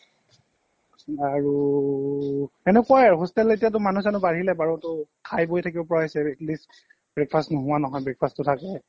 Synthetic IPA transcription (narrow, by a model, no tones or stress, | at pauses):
aɹu | ɛnɛkuajaɹɦɔstɛletijatʊmanusanʊbaɹilɛbaɹɔtʊkʰajbojtʰakibɔpɔɹaɦɔsɛɛklis | bɹɛk̚pʰastnɔɦʊwanɔɦɔjbɹɛk̚pʰastʊtʰakɛ